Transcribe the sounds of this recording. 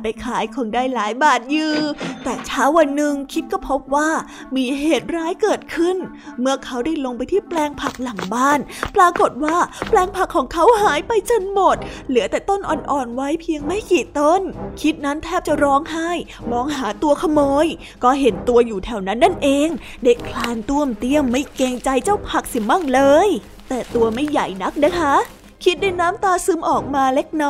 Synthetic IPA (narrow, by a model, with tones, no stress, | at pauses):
pa˧jkʰaː˩˦jkʰo˧ŋdaː˥˩jlaː˨˩˦jbaː˨˩t̪̚jɯː˨˧˩t̪ɛː˨˩t͡ɕʰaː˦˥wːa˧nːɯ˨˩ŋkʰi˦˥t̪̚kɔː˥˩pʰo˦˥p̚waː˥˩ | miː˧ɦeː˨˩t̪̚ɾaː˦˥jkɤː˨˩t̪̚kʰɯ˥˩n | mɯ˥˩ɐkʰa˦˥wdaː˥˩jlo˧ŋpa˧jt̪ʰiː˥˩plɛː˧ŋpʰa˨˩k̚la˨˩˦ŋbaː˥˩npɾaː˧ko˨˩t̪̚waː˥˩plɛː˧ŋpʰa˨˩kʰːɔː˩˦ŋkʰa˦˥wɦaː˨˩˦jpa˧jt͡ɕo˧nmo˨˩t̪̚lɯ˩˦ət̪ɛː˨˩t̪o˥˩nʔɔ̰ː˨˩nʔɔː˨˩nwa˦˥jpʰi˧əŋma˥˩jkiː˨˩t̪o˧˥˩nkʰi˦˥t̪̚na˦˥nt̪ʰɛː˥˩p̚t͡ɕa˨˩ɾɔː˦˥ŋɦa˥˩j | mɔː˧ŋɦaː˩˦t̪u˧ɐkʰa˧mɤː˧j | kɔː˥˩ɦe˩˦nt̪u˧əjuː˨˩t̪ʰɛ˨˩wna˦˥nːa˥˩nʔeː˧ŋ | da˥˩jkʰlaː˧nŋt̪u˥˩əmt̪i˧˥˩əmːa˥˩jke˧ŋt͡ɕa˧jt͡ɕa˥˩wpʰa˨˩k̚si˨˩ma˥˩ŋlɤː˧j | t̪ɛː˨˩t̪u˧ɐma˥˩jːa˨˩jna˦˥k̚na˦˥kʰa˦˥ | kʰi˦˥t̪̚da˥˩jnaː˦˥mt̪aː˧sɯ˦˥mʔɔː˨˩k̚maː˧le˦˥k̚nɔ˦˥